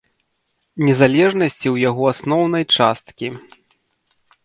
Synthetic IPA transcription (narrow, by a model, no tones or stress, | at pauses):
nʲɛzalʲɛʐnɐsʲt͡sʲiwjaɣɔasnɔwnɐjt͡ʂast̪kʲi